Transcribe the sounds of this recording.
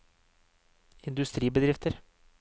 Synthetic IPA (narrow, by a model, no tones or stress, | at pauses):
ɪnd̪ʉst̪ɾiːbəd̪ɾɪft̪ʰəɾ